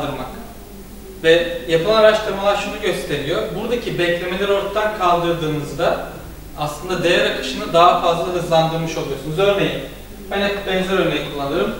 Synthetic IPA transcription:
d̪ɯɾmak | vɛjapʰɯlˠaaɾaʃt̪ʰɯɾmalˠaɾʃunuɟø̞st̪ʰe̞ɾijobuɾd̪acʰibɛclʲe̞melʲɛɾo̞ɾt̪ʰad̪ankʰalˠd̪ɯɾd̪ɯːnɯzd̪a | aslˠɯnd̪ad̪e̞jæɾakʰɯ̥ʃɯnɯd̪aɦafazlˠaɦɯzlˠand̪ɯɾmɯʃo̞lˠujo̞sunuzø̞ɾne̞jim | hanɛbɛnzʲɛɾøjlʲejikʰulˠːanɯɾɯm

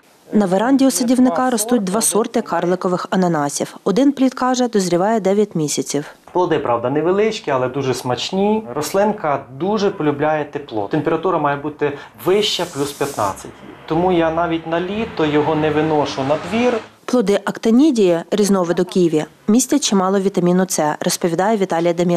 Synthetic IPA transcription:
nɐʋeɾɑnʲdʲiɔsɐdʲiwnɪkɑɾɔst̪ut̚ʲd̪ʋɑsɔrt̪ɪkɑrlˠɪkɔʋɪxɐnɐnɑsʲiwɔd̪ɪnplʲit̪kɑʒɛd̪ɔzʲɾʲiʋɑjɛd̪ɛʋʲjɐtʲmʲisʲɐt͡sʲiw | plˠɔd̪ɪpɾʔɑʋd̪ɐnɛʋelˠɪt͡ʃkʲiɐlˠɛd̪uʒɛsmɐt͡ʃnʲirɔslˠɪnkɐd̪uʒɛpɔlʲʊblʲajɛt̪eplˠɔ̰t̪empʲeɾɐt̪uɾɐmɑjɛbut̪ɪ | ʋɪʃt͡ʃɐplʲuspʲjɐt̪nɑ̰t͡sʲːɐtʲt̪ɔmujanɑʋʲitʲnɐlʲit̪ɔjɔɦɔnɛʋɪnɔʃʊnɐd̪ʋʲirplˠɔd̪ɪʔɐkt̪ɐnʲidʲijɛɾʲiznɔʋɪd̪ɔkʲijʋʲjɐ | mʲisʲtʲɐt͡ʃimɑlˠɔʋʲit̪ɐmʲinʊt̪sɛrɔspɔʋʲid̪ɑjɛʋʲit̪ɑlʲijɐd̪ɐmʲi

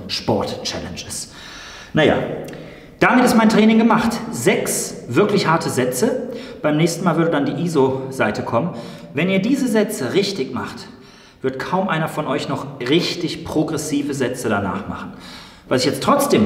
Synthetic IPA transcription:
ʃpɔɐtt͡ʃɛ̰lɛnd͡ʒɪs | naja̰ː | d̥amɪtɪstmaɪntʁ̥ɛːnɪŋɡəmaχtzɛksv̥ɪɐklɪçhaɐtəzɛt͡səb̥aɪmnɛːçstn̩maːlvɪɐdədandiːʔiːzozaɪtʰəkʰɔmən | vɛniːɐdiːzəzɛt͡səʁɪçtɪçma̰χt | vɪɐtkʰaʊmʔaɪnɐfɔnʔɔʏçnɔχʁɪçtɪçpʁ̥oɡʁɛsiːvəzɛt͡sədana̰ːχma̰χn̩ | vasɪçjɛt͡stʁ̥ɔt͡sd̥eːm

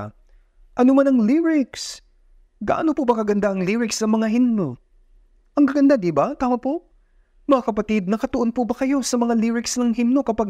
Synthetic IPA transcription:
ʔɐnomanɐŋliɾɪks | ɡɐ̰ʔa̰nopobɐkɐɡɐnd̪aʔɐŋliɹɪksɐŋmɐŋaɦinno | ʔɐŋkɐɡɐnd̪ad̪ibat̪aːmɐpoʔ | mɐŋakɐpɐt̪id̪̚nɐkɐt̪ʊʔonpʊbɐkɐjo̞sɐmɐŋaliɹɪksnɐŋɦinno̞kɐpaɡ̚

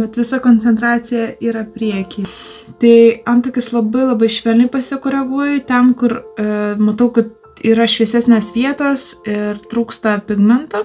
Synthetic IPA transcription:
bʲɛt̪ʋʲɪsɐkoːnʲt͡s̪ʲɛnt̪ɾɑːsʲɪjɛiːɾɐpʲɾʲiɛkʲiː | t̪ɐɪɐnt̪oːkʲɪslˠɐbɐɪlˠɐbɐɪʃʲʋʲɛlʲnʲɪpɐsʲɪkoːɾʲɛɡuɔjʊt̪ʲɛnkʊrmɐt̪ɐʊkɐt̪̚ | iːɾɐʃʲʋʲiɛsʲæsʲnʲeːsʋʲiɛt̪oːsɪrt̪ɾuːkst̪ɐpʲɪɡmʲɪnt̪o

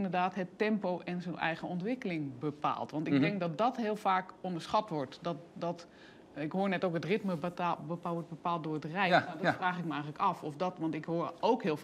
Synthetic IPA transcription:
ndərdaːtɦətːɛmpowʔɛnzonʔɛ̰jɣəɔntʋɪkəlɪŋbəpa̰ːlˠtʋɑntɪɡ̚dɪŋk̚dɔt̚dɔtɦɪːəlˠfaːkɔndəɹsχatʋɔɹtdɔtdɔt | ɪkɦoːɹnɛtowkətrɪtməbəpaɔt̚bəpaːl̚ˠdʊrətrɛjnadɔfraːxɪk̚məɛjŋɣələkɑfɔfdɔtʋɑntɪkɦoːɹowkɦɪːlˠ

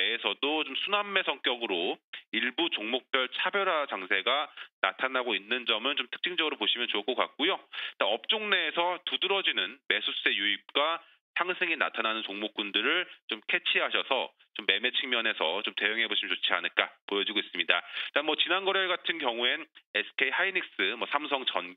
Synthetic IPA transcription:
meːsʰʌdot͡ɕomsʰunamːe̞sʰʌŋk͈jʌɡɯɾoiɭbut͡ɕoŋmok̚p͈jʌɭt͡ɕʰabjʌɾɦat͡ɕaŋsʰe̞ɡana̰tʰanaɡoinːɯnd͡ʑʌmɯnt͡ɕomtʰɯ̥k̚t͡ɕ͈iŋd͡ʑʌɡɯɾopoɕʰimjʌnt͡ɕok͈ʰʌka̰k̚k͈ujot͈aʌp̚t͡ɕ͈oŋne̞ːsʰʌtudɯɾʌd͡ʑinɯnme̞sʰus͈e̞juip̚k͈wa | sʰaŋsʰeŋina̰tʰananɯnt͡ɕoŋmok͈̚undɯɾɯɭt͡ɕomkʰe̞t͡ɕʰiɦaɕʰʌsʰʌ̰ | t͡ɕomːe̞me̞t͡ɕʰiŋmjʌne̞sʰʌt͡ɕomte̞jʌŋɦe̞boɕʰimʌt͡ɕot͡ɕʰia̰nɯɭk͈apojʌd͡ʑiɡois͈ɯmɲidaanmʌt͡ɕinanɡʌɾeɡatʰɯnkjʌŋuenesʰkʰe̞ihainik̚s͈ɯmʌsʰams̬ʰʌŋt͡ɕʌn

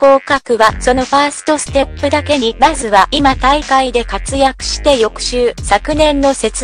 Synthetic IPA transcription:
ko̞ːkakɯ̟βaso̞no̞ɸaːsɨ̥t̪o̞sɨ̥t̪e̞pːɯd̪ake̞ɲ̟imazɨβaʔimat̪aikaid̪e̞kat͡sɨjakɯ̟̥ɕi̥t̪e̞jo̞kɯ̟̥ɕɨːsakɯ̟nẽ̞nːo̞se̞t͡s

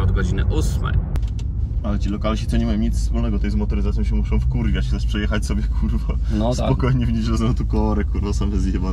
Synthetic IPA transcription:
ɔd̪ɡɔd͡ʑinɘ̰ʔusmɛ̰j | alɛt͡ɕilɔkalɕit̪ɔɲɛmajɔ̃w̃ɲit̪sspulnɛɡɔt̪ɛjzmɔt̪ɔɾɨzat̪ʲjɔ̃ɕɛmuʂɔ̃w̃fkuɾvʲjat͡ɕxzaʃpʂɛjɛxat͡ɕsɔbʲjɛkʰuɾvɔnnɔsapɔkɔjɲɛvɲid͡ʑɔzɛnɛt̪ukɔɔɾɛkuɾnɔsamɛzʲjɛba

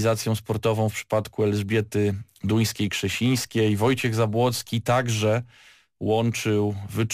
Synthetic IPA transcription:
zat̪sʲjɔ̃w̃spɔɾt̪ɔvɔ̃w̃fpʂɘ̥pat̪kuɛlzbʲjɛt̪ɘ | d̪uj̃skʲejkʂɛɕij̃skʲejvɔjt͡ɕɛɣzabwɔt̪skʲit̪aɡʐɛ | wɔnt͡ʂɘwvɘt͡ʂ

